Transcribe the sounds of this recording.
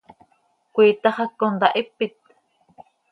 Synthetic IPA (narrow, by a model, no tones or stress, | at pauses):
kʷiːt̪ɑχɑkːond̪ɑʔipːit̪̚